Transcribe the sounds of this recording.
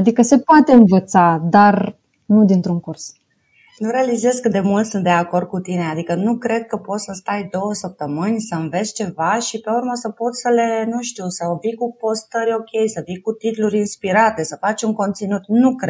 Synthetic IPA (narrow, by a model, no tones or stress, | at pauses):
ad̪ikəse̞poat̪e̞ɨnvət̪sad̪ar | nud̪int̪ɾuŋkurs | nuɾe̞alize̞zkɨd̪e̞mult̪sɨnt̪̚d̪eako̞rd̪̚kut̪ine̞ad̪ikənukɾe̞d̪̚kəpo̞t̪səst̪ajd̪o̞wəsəp̚t̪əmɨnʲsəɨnve̞t̪st͡ʃe̞vaʃipeuɾməsəpo̞t̪ssəle̞nuʃt̪iusəvikupo̞st̪əɾʲo̞kʲe̞jsəvikut̪it̪luɾʲinspiɾat̪e̞səfat͡ʃʲuŋko̞nt̪sinut̪nukɾe